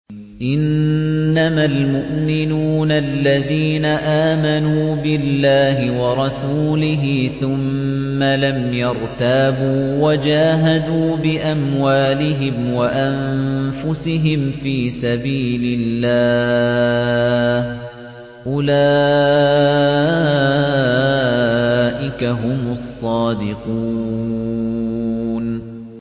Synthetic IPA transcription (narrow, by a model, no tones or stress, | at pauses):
ʔɪnː | amalmʊʔmɪnuːnalːaðiːnaʔaːmanuːbɪlːaːɦɪwɑɾˤɑsuːlɪɦɪθʊmː | alamjɑɾˤt̪aːbuːwad͡ʒaːɦad̪uːbɪʔamwaːlɪɦɪmwaʔanfʊsɪɦɪmfiːsabiːlɪlːaː | h | ʔʊlaː | ʔɪkaɦʊmsˤːɑːd̪ɪqu | n